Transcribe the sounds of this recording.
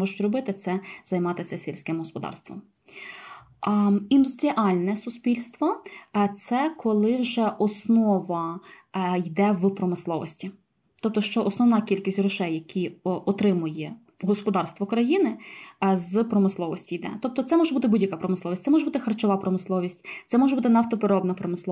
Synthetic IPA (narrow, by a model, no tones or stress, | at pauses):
ɔʒʊtʲɾɔbɪt̪ɪt̪sɛz̥ɐjmɑt̪ɪsʲɐsʲilʲsʲkɪmɦɔspɔd̪ɑ̰rst̪ʋɔ̰m | ind̪ʊst̪ɾʲiʔɑlʲnɛsʊspʲilʲst̪ʋɔt̪sɛkʰɔlˠɪwʒɛʔɔsnɔʋɐ | jd̪ɛwpɾɔmɪslˠɔʋɔ̰sʲtʲi | t̪ɔp̚t̪ɔʃt͡ʃɔʔɔsnɔwnɑkʲilʲkʲisʲtʲrʊʃɛjːɐkʲʰiɔt̪ɾɪmʊjɛ | ɦɔspɔd̪ɑrst̪ʋɔkɾɐjinɪzpɾɔmɪslˠɔʋɔsʲtʲijd̪ɛ̰t̪ɔp̚t̪ɔt̪sɛmɔʒɛbut̪ɪbudʲjɐkapɾɔmɪslˠɔʋʲisʲt̪ɛmɔʒɛbut̪ɪxɐrt͡ʃɔʋɑpɾɔmɪslˠɔʋʲisʲtʲt̪sɛmɔʒɛbut̪ɪnɐwt̪ɔpeɾɔbnɐpɾɔmɪslˠɔ